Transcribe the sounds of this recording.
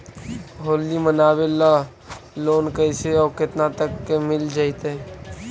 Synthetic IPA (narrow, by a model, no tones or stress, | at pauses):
ɦoːlːimənaːbela | loːnkəɪseɔːkɪt̪nat̪əkːemɪld͡ʒaːɪt̪e